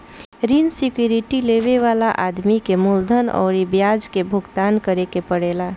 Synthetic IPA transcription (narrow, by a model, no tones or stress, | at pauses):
ɾinsikjuɾiʈileʋeʋalaʔad̪mikemuld̪ʱənɔ̰ʊɾibjad͡ʒkebʱuɡt̪ankəɾekepəɽela